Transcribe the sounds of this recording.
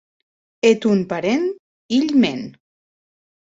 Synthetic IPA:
et̪unpaɾen | iʎmen

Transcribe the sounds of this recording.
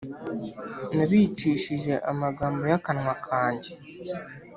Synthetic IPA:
naβit͡ʃiːʃiʒe̞ʔamaɡaːmbo̞jakanŋwakʰaːɲɟe

